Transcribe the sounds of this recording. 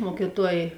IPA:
ˈmuɔkʲiːˌtuɔj

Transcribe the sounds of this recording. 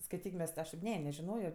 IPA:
skɐɪˈtʲiːk ˈmʲɛs tʲɪ ˈɐʃ tʲeːp ˈnʲɛ nʲɛʒʲɪˈnoːjoː

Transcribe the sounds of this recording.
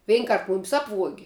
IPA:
ˈʋʲɛɪn ˈkɐrt ˈmʊmʲɪs ˈɑːpʋuɔɡʲɪ

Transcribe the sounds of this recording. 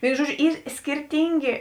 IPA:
ˈʋʲeːɪnʊ ˈʒuɔˌd͡ʒʲʊ ˈiːr sʲkʲɪrʲˈtʲiːŋʲɡʲeː

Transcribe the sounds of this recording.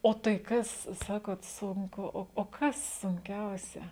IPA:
ˈoː tɐɪ ˈkɐs ˈsɑːkoːt ˈsʊŋkʊ ˈoː oː ˈkɐs sʊŋʲˈkʲɛʊsʲɛ

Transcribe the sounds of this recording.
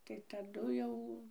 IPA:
tɐɪ tɐˈdʊ jɛʊ

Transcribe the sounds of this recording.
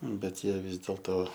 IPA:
bʲɛt ˈjiɛ ˈʋʲɪs dʲeːlˠtoː

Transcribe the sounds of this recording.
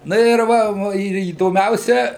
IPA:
ˈnɐ ɪr ˈʋɐ ˈʋɐ ɪr iːdoːˈmʲɛʊsʲɛ

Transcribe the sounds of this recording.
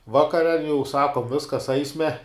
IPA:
ˈʋɑːkɐrʲɛ jɛʊ ˈsɑːkoːm ˈʋʲɪskɐs ˈɐɪsʲmʲɛ

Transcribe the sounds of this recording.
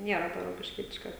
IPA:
ˈnʲiɛrɐ toː roːkʲɪʃʲˈkʲiɛtʲɪʃkɐ

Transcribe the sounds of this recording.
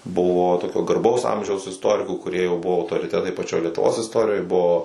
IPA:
ˈbʊʋoː ˈtoːkʲoː ɡɐrˈbɐʊs ˈɐmʲʒʲɛʊs ɪsˈtoːrʲɪkuː kʊˈrʲiɛ jɛʊ ˈbʊʋoː ɐʊtoːrʲɪˈtʲæːtɐɪ pɐˈt͡ʃʲoːj lʲiɛtʊˈʋoːs ɪsˈtoːrʲɪjoːj ˈbuɔ

